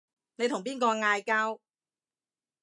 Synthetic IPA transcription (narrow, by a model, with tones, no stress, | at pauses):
ne˨˧jt̪ʰʊ˨˩ŋpiː˥nkɔː˧ŋaː˧jkaː˥w